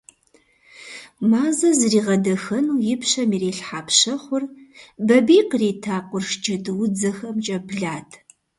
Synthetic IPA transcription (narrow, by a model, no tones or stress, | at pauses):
maːzɐzriːʁɐdɐxɐnuːjɪpɕɐmiːɾeːɬħaːpʃɐχʷʊrbɐbiːqreːtʰaːqʷʼʊrʃd͡ʒɐdɨwd͡zɐxɐmt͡ʃʼɐbɮaːtʰ